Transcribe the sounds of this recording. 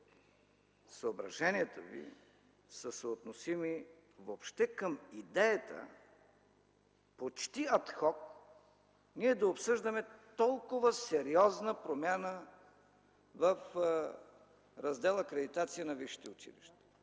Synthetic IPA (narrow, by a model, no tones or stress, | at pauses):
səobɾɐ̰ʒɛniət̪əvḭ | səsoot̪nosimi | vopʃt̪ɛkəmid̪ɛjɐt̪ʰə̰ | pot͡ʃt̪iɐt̪xɔk̚ | niɛd̪ɐopsɤʒd̪əmɛt̪ɔlˠkʊvəsɛɾiɔznəpɾomʲjanə | vəf | ɾɐzd̪ɛlˠəkɾɛd̪it̪at̪sijənɐviʃi̥t̪ɛʊt͡ʃḭlḭʃt̪ɛ̥